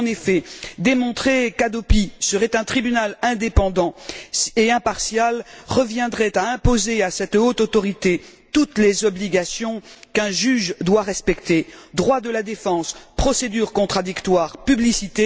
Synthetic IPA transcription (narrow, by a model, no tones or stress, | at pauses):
ɑ̃nefɛd̪emɔ̃t̪χekad̪opisəʁɛt̪ɛ̃t̪χibynalɛ̃d̪epɑ̃d̪ɑ̃eɛ̃paʁsjalʁəvjɛ̃d̪ʁɛt̪aɛ̃pozeasɛt̪ot̪ot̪ɔʁit̪e | t̪ut̪lezɔbliɡasjɔ̃kɛ̃ʒyʒd̪waʁɛspɛkt̪ed̪ʁwad̪əlad̪efɑ̃spχɔsed̪yʁkɔ̃t̪χad̪ikt̪waːʁpyblisit̪e